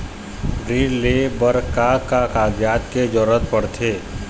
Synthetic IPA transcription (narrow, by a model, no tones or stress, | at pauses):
ɾilebəɾkakakaːɡjaːt̪ked͡ʒɔːɾət̪̚pəɽt̪ʰeː